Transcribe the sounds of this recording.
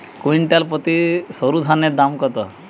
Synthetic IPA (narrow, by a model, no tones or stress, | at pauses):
kuiɳʈalpət̪isəɾud̪ʱaned̪amkət̪ə